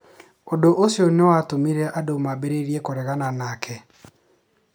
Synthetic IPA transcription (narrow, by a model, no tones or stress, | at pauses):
odoʔosjonewatomiɾɛʔadomabeɾeɾiekoɾɛɣananaːkʰɛ